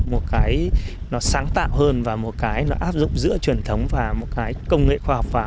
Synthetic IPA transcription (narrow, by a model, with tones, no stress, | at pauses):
mo˨˩t̚kaː˨˦j | nɔ˨˦saː˨˦ŋt̪a̰ː˧˨wɦəː˧nvaː˨˩mo˨˩t̚kaː˨˦jnɔ˨˦ʔaː˦˥p̚zʊ̰˧˨ŋ͡mzɨ̰˧˥ət͡ɕwi˨˩ənt̪ʰə˨˦wŋ͡mvaː˨˩mo˨˩t̚kaː˨˦jkə˧wŋ͡mŋḛ˧˨xwaː˧hɔ˨˩k͡p̚vaː˨˩